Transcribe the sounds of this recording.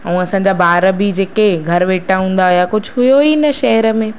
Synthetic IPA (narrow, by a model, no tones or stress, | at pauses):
ɛ̃ɐsãːɲd͡ʑaːbaːɾəbid͡ʑeːkeɡʱɐɾʋeːʈʰaɦũːn̆d̪aɦijakʊd͡ʑʱʊɦʊjoinɐʃɐɦɛɾə̆mẽ